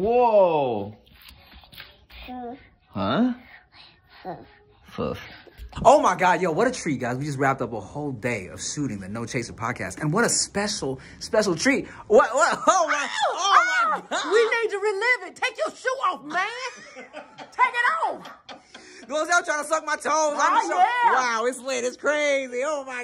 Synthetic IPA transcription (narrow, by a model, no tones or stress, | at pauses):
wo | hʌ | fʊ̰foʊmaɪɡɑdjæwʌɾɨtʰɹ̥iɡaɪzwid͡ʒʌs̬t̚ɹæp̚tʌpəhoʊlˠdeɪʌ̰v̥sʉɾɪ̃ŋðɨnoʊt͡ʃʰeɪsʌv̥pʰɑ̰d̚kʰæ̰stɨ̃nwʌɾəspɛʃl̩ˠ | spɛʃl̩ˠtʰɹ̥iwʌwʌoʊmaɪo | winid̚tɨɹilɪvɨtʰeɪkjə˞ʃuɔfmæ̃n | tʰeɪkɨɾɔf | ɡ̥oʊzatɹ̥aɪnəsʌk̚maɪtʰõʊ̃nzãɪ̃owaʊɪtslɪɾɨtskʰɹ̥eɪzioʊmaɪ